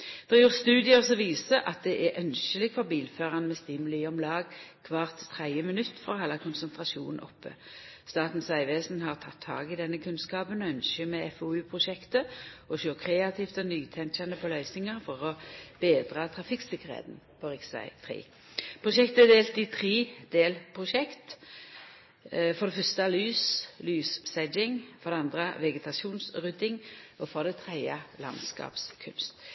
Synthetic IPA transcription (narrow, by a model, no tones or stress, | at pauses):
d̪̥ɛʁjuːʁst̪ʉːd̪ɪəsɔʋiːsəʔɑt̪̚d̪ɛʔæʔœnʃəlɪɡfɔʁbiːlføːʁɑnmɛst̪iːmʉliːɔmlɑːɡkʰʋɑːʁt̪t̪ʰːʁæɪəmɪnʉt̪ːfɔʁhɑlɑkʰʊnsɛnt̪ʁɑʃṵːnn̩ɔ̰pːə̰ | st̪ɑːt̪n̩sæɪʋeːsn̩hɑʁt̪ʰɑt̪ʰːɑ̰ːɡɪd̪ɛnːəkʰʉnskɑːpənɔœnʃəmɛɛfʊʉːpʰʁʊʃɛkt̪əɔʃøːʁkʰʁeːɑt̪ʰiːft̪ɔnyːt̪ʰɛŋt͡ʃɑnəpʰɔlœʏsnɪŋəʁfɔʁɔb̥eːd̪ʁɑt̪ʰʁɑfɪkːsɪkəʁhɛ̰ːt̪n̩pʰɔɾɪksɑ̰ɪt̪ʰɾḛː | pʰʁʊʃɛkt̪əɛd̪eːlt̪ɪt̪ʰɾeːd̪eːlpʰʁʊʃɛkt̪ | fɔʁd̪ɛfœst̪əɑlyːslyːssɛd͡ʒɪŋfɔʁd̪ɛɑnd̪ʁəʋɛɡət̪ʰɑsuːnsʁʉd̪ɪŋɔfɔʁd̪ɛt̪ʰʁɛɪɑlɑ̰nskɑ̰ːpskʰʉ̰nst̪